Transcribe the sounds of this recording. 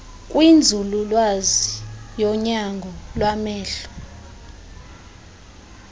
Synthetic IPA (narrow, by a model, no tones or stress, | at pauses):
kʼwind͡zʱululwazijɔɲaŋɡʱɔlwamɛːɬɔ̥